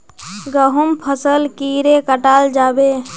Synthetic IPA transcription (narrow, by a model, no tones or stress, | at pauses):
ɡəɦumpʰəsəlkiɾekəʈald͡ʒabe